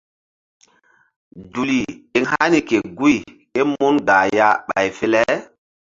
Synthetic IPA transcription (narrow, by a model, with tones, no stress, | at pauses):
du˨li˨e˨ŋha˦ni˨ke˨ɡu˦i˨ | e˦mo˦nɡa˨ja˦ɓa̰˨jfe˦lɛ˦